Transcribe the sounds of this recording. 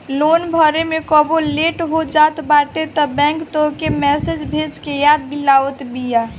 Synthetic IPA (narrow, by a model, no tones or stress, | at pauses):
loːnbʱəɾemekɔboleːʈɦod͡ʒaːt̪baːʈet̪ɔbɛ̃ːŋkt̪okemɛsed͡ʒbʱet͡ʃkejaːd̪ːilaːʋət̪bija